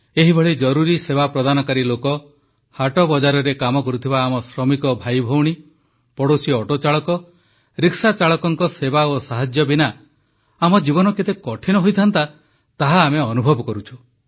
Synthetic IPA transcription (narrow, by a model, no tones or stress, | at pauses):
eɦibʱɔɭid͡ʒɔɾuɾisebapɾɔd̪ʱanɔkaɾilokɔ | haʈɔbɔd͡ʒaɾɔɾekamɔkɔɾut̪ʰibaːmɔsɾɔmikɔbʱajbʱowɽ̃i | pɔɽosiɔʈot͡ʃaɭɔkɔ | ɾiksat͡ʃaɭɔkɔŋkɔsebaosaɦad͡ʒjɔbina | amɔd͡ʒibɔnɔket̪ekɔʈʰinɔɦojt̪ʰant̪a | t̪aɦaːmeɔnubʱɔbɔkɔɾut͡ʃʰu̥